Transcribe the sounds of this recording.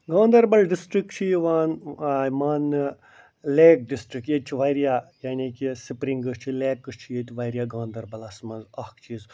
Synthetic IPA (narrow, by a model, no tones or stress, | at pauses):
ɡãːnd̪ɐɾbɐlɖisʈɾik̚t͡ʃʰiʋaːnmaːn | leːk̚ɖisʈɾikjet̪̚t͡ʃʰiʋɐjɾjaːjaːnʲikʲisipɾiŋɡɨt͡ʃʰileːkːɨt͡ʃʰijet̪ʲʋɐjɾijaːɡãːnd̪ɐɾbɐlɐsmɐzɐhkt͡ʃʰiːz